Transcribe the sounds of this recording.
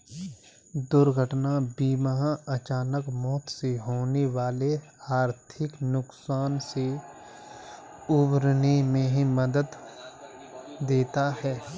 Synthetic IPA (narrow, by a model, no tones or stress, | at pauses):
d̪ʊɾɡʱəʈnabiːmɦãɐt͡ʃaːnəkmɔːt̪seɦoːneʋaːleaːɾt̪ʰɪknʊksaːnse | ʊbɾnimẽɦiməd̪əd̪ | d̪eːt̪aɦɛː